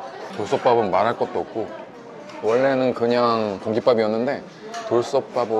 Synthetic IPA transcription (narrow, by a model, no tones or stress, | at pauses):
toɭs͈ʌp͈̚abɯnmaɾɦaɭk͈ʌt̚t͈oʌk̚k͈o | wʌɭːe̞nɯnkɯɲaŋtoŋɡip͈abiʌnːɯnde̞ | toɭs͈ʌp͈ab